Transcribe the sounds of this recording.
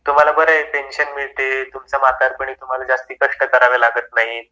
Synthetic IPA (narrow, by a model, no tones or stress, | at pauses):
t̪um̤alabəɾəpenɕənmiɭt̪et̪umt͡samat̪aɾpəɽ̃iːt̪um̤alad͡zast̪iːkəʂʈəkəɾaʋelaɡət̪naɦi